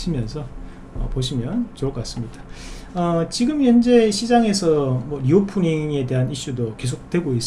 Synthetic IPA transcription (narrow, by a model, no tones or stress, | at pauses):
ɕʰimjʌnsʰʌ | ʌ̰poɕ̬ʰimjʌnt͡ɕokʌkas͈ɯmɲid̥a | ʌt͡ɕiɡɯmjʌnd͡ʑe̞ɕʰid͡ʑaŋe̞sʰʌmwʌɾiopʰuniŋe̞de̞ɦaniɕ͈udoke̞s̬ʰok̚t͈we̞ɡois͈